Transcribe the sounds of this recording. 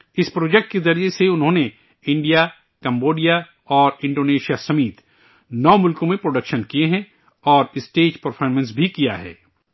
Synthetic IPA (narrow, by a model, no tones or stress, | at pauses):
ɪspɾoːd͡ʒɛk̚ʈ̚kezɐɾd͡ʒeseʊnɦõːne | ɪ̃ɳɖija | kɛ̃mboːɖija | ɔːɾɪ̃ɳɖoːneːʃijasɐmiːt̪ | nɔːmʊlkõmẽpɾoːɖɐkʃənkieɦɛ̃ | ɔːɾɪsʈeːd͡ʒpɐɾfʰɔːɾmə̃nsbʱikija̰ɦɛ̰ː